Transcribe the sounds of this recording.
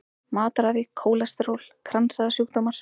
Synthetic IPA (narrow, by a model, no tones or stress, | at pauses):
maːt̪ɾaːðɪkʰoːwlast̪ɪɾowlkʰɾansaðasjuhkt̪oːmaɾ̥